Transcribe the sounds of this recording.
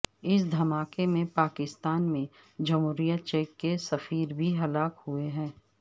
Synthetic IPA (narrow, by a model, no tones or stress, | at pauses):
ɪsd̪ʱɐmaːkemẽpaːkɪst̪aːnmẽ | d͡ʒəmɦuːɾijət̪̚t͡ʃeːkːesɐfiːɾbʱiɦɐlaːkhueɦɛ̃ː